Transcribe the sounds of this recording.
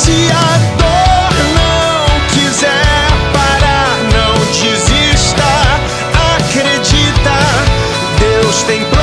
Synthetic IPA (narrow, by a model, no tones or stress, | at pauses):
sɪ | ad̪oɾnɐ̃ | w̃kizɛɾpaɾa | nɐ̃w̃d͡ʒiziʃt̪ɐ | akɾed͡ʒit̪ɐ | d̪ewst̪ẽj̃pl